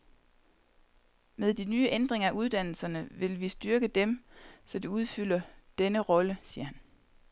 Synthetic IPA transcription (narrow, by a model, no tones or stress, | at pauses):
meðˠd̥inyːəʔend̥ʁeŋɐæuð̞ˠd̥æn̰l̩sɐnəʋe̝lʋisd̥yɐɡ̥əd̥emsɒ̽d̥iuð̞ˠfyl̰ɐd̥enəʁɒ̽ləsiːɐhæn